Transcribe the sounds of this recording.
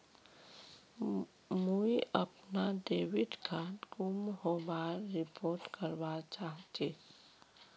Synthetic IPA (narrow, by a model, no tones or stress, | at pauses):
muiʔəpnaɖeːwɪɖkʰaːtkʊmɦobaːɾːɪpʰoːɾʈkəɾʋat͡ʃaːɦt̪eː